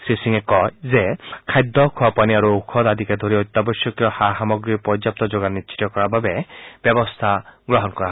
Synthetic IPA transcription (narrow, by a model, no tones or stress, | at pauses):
sisiŋekɔjzekʰajd̪ːɔkʰɔapaniaɾuukʰɔd̪ad̪ʱikad̪ʱɔɾiɔjt̪ːabɔsjɔkjɔhaɦamɔɡɾipɔd͡ʒap̚t̪ɔd͡ʒoɡanːit͡ʃʰi̥t̪ɔkɔɾababeb̥jɔbɔst̪ʰaɡɾɔɦɔnkɔɾaɦ